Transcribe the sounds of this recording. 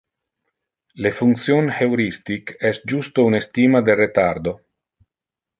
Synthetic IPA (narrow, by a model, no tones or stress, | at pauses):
lefuŋt̪sjonhewɾist̪ikɛsd͡ʒust̪ounest̪iːmad̪eret̪ard̪o